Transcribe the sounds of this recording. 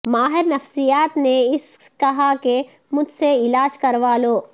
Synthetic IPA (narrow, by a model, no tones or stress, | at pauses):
maːɦɪɾnɐfsijaːt̪neɪs | kɐɦake | mʊd͡ʒʱseɪlaːd͡ʒkɐɾʋaːloː